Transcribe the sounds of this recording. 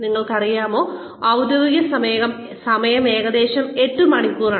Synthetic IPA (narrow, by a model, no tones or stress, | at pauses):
niŋːɐɭkɐrijaːmo̞ː | ɐwd̪jɐʋiɣɐsɐmːɣɐm | sɐmɐjɐme̞ːɣɐd̪e̞ːɕɐme̞ʈːumɐɳikːuːraː